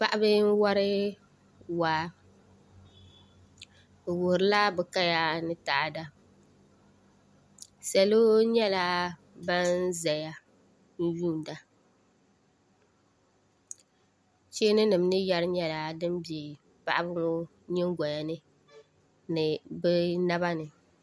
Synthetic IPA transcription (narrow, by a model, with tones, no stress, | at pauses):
pa˦ʔa˦bɨ˦n̩˦wa˦ɾɨ˦ | waː˨ | wʊ˨hɾɨ˨˦la˦bɛ˨ka˦ja˦nɨ˦ta˨ʔa˨da˦ | sa˨lo˦ɲɛ˦la˦ | ba˦n˦zɛ˨ja˦ | n̩˦juː˦˨n˨da˦ | t͡ʃeː˦nɨ˦nɨ˨m˦nɨ˦ja˦ɾɨ˦ɲɛ˦la˨dɨ˦mbɛ˨ | pa̰˨ʔa˦bɨ˦ŋo˦ | ɲɪ˦ŋ˦ɡʷa˨ja˨nɨ˦ | nɨ˨bɛ˦na˦ba˦nɨ˨